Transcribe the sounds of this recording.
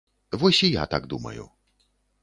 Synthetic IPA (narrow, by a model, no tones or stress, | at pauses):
vɔsʲija̰t̪aɡd̪umɐ̰jṵ